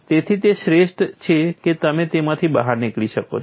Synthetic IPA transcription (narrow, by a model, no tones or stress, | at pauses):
t̪et̪ʰit̪eʃɾeʃʈt͡ʃʰeket̪əmẽt̪emãt̪ʰibəɦaɾnikɭiʃəko̰